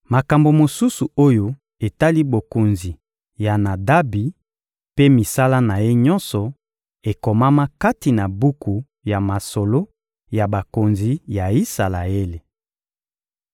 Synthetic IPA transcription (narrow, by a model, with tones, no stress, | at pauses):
ma˨ka˨mbo˨mo˨su˦su˨o˦jo˦ | e˨ta˦li˦bo˨ko˨nzi˨ | ja˨na˨da˦bi˨ | pe˦mi˨sa˦la˦na˨je˦ɲɔ˦nsɔ˨ | e˨ko˨ma˦ma˦ka˦ti˨na˨bu˦ku˨ | ja˨ma˨so˨lo˦ | ja˨ba˨ko˨nzi˨ja˨i˦sa˨la˨e˦le˨